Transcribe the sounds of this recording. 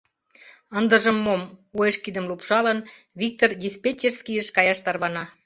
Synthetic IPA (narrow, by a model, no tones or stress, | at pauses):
ənd̪əʒəmːomojəʃkid̪ə̆mlupʃɑlən | βik̚t̪ord̪ʲispʲet͡ɕːerskijəʃkɑjɑʃt̪ɑrβɑnɑ